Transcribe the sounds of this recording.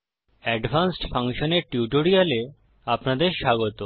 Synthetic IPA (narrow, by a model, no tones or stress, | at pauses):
ɛɖbʱansʈfaŋʃoneɾʈjuʈoɾijale | apnad̪eɾʃaɡot̪o